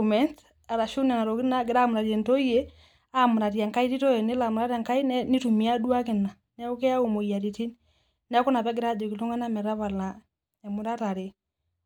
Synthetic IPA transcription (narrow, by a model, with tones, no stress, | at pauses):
mɛ˦nt | a˨ɾa˨ʃu˦na˨na˨ɾɔ˨ki˦na˦ɡe˦ɾa˦mʊɾa˨ɾiɛ˨ntɔ˦ie˦ | a˦mʊ˨ɾa˨ɾja˨ŋka˦i˦ti˦tɔ˦ɛ˨ne˦la˨mɾa˦ɾa˨ŋka˦i˦nɛni˦tu˨mi˨a˦du˦a˦ke˨na˨ | nɛ˦o˦kɛ˦a˦o˨mo˨ja˨ɾi˨ti˦ni | na˦ko˦na˨βɛ˦ɡɪ˦ɾa˦d͡ʒɔ˨ki˨lo˦ŋa˦na˦mɛ˨ɾa˦βa˨lna˨ | ɲa˨mu˨ɾa˦ta˨ɾe˨